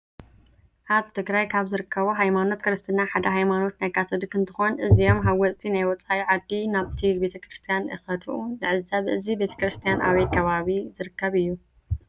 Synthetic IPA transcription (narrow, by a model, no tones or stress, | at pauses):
ʔaβt̪ʰɨɡɾajkʰaβzɨɾɨkːɐβoɦajmano̞t̪kʰɨɾɨst̪ʰɨnaħad̪ɐɦajmano̞t̪najkʰat̪ʰod̪ɨkɨnt̪ʰɨxonʔɨzijo̞mɦawɔt͡sʼt̪ʰʼinajwɔt͡sʼaiʕad̪ːinaβt̪ʰibe̞t̪ʰɐkɾɨst̪ʰijanɨ̰xɐt̪ʰuʔuzɨʕɨzːaβʔɨzibe̞t̪ʰɐ̥kɾɨst̪ʰijana̰wɐjkʰɐβaβizɨɾɨkʰːɐβɨjːu